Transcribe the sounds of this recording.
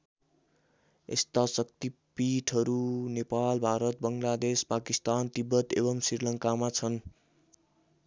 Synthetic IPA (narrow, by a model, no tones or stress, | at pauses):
ḛst̪asʌk̚t̪ipiʈʰʌɾunepalbʱaɾʌt̪̚bʌŋlad̪espakist̪ant̪ibːʌt̪ebʌmsrirlʌŋkamat͡sʰʌn